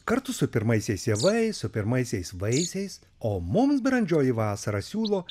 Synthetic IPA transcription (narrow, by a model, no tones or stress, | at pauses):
kɐɾt̪ʊsʊpʲɪɾmɐɪsʲɛɪseːʋɐɪsʊpʲɪɾmɐɪsʲɛɪsʋɐɪsʲɛɪs | oːmʊmsbɾɐnʲd͡ʒʲoːjiʋɑːsɐɾɐsʲuːlˠoː